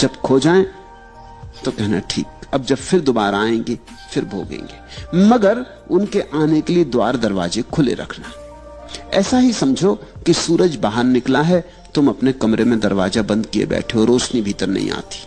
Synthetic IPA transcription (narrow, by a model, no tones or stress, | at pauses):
d͡ʒɐbkʰod͡ʒaːẽ | t̪okɛɦna̰ʈʰḭːkɐb̚d͡ʒɐbfɪɾd̪oːbaːɾaaːẽːŋɡeː | fɪɾbʱoːɡḛ̃ːŋɡeːmɐɡəɾ | ʊnkeʔaːnekelied̪wa̰ːɾd̪ɐɾʋa̰ːzekʰʊlḛɾɐ̰kʰna | ɛ̰ːsaɦisɐmd͡ʒʱokisuːɾəd͡ʒbaːɦəɾnɪklaɦɛ | t̪ʊmɐpnekɐmɾemẽd̪ɐɾʋaːzabɐ̃nd̪kiḛbɛ̰ːʈʰeoɔːɾoːt͡ʃnibʱiːt̪əɾnɐ̰ɦḭ̃a̰ːt̪i̥ː